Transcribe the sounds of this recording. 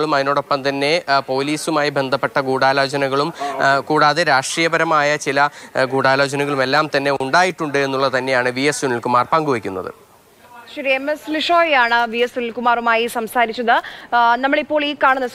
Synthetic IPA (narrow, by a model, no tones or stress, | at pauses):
ɐɭumɐðino̞ːɽo̞pːɐmt̪ɐnːe̞po̞ːliːsumaːjibe̞nd̪ʱɐpːe̞ʈːɐɡuːɽaːloːd͡ʑɐnɐɣɐɭumkuːɽaːðeɾaːʂʈrijɐbɐɾɐmaːjɐt͡ɕilɐɡuːɽaːloːd͡ʑɐnɐɣɐɭume̞lːaːmt̪ɐnːe̞uɳɖaːjiʈːuɳɖɨe̞nːuɭːɐt̪ɐnːejaːɳɨʋijesunilkumaːrpɐŋɡuʋɐkʲːunːɐ̰ðɨ̰ | ɕɐɾiemesliʂoːjaːɳɨʋijesulkumaːrumaːjisɐmsaːɾit͡ɕːɐðɨnɐmːɐɭipːo̞ːɭiːkaːɳɐnːɐs